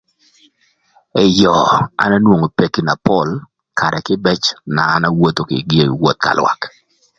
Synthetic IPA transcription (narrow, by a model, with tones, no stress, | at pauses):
ɛ˨jɔ˨a̰˦na˦nwo˨ŋo˨pe˨ki˦na˨pɔ˦˨l | kʰa˨ɾɛ˨kɪ˦bɛ˦t͡ʃnaː˨˦na˦wo˦t̪o˨kɪ̰˨ɡe˦˨wo˦t̪̚ka̰˨lwa̰˨k